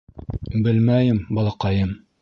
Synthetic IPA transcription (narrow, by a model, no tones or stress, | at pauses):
bɘlmæjɘmbɒlˠɑqɑjɤm